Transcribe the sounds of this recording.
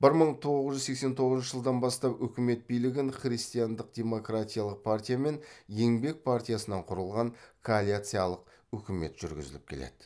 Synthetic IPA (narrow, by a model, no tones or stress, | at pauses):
b̥ɪɾməɴt̪ʰo̞ʁəzʒʏzse̞kse̞nt̪ʰo̞ʁəznʃəʒəlˠd̪ɑnbɑst̪ɑpɵkʲɪme̞t̪̚bijlɪɡʲɪɴχrijst̪ijand̪əq̚d̪ʲe̞mo̞krat̪ʲijalˠəq̚pʰart̪ʲijame̞nje̞ŋbe̞k̚pʰart̪ʲijasənɑɴqʰʊɾəlˠʁɑɴkʰoalʲiat̪sɨjalˠəq̚ | ɵkʲɪme̞̰t̪ʒ̥ʏɾɡʲɪ̰zɪ̰lɪp̚kʲʰe̞̰le̞̰d̪ɪ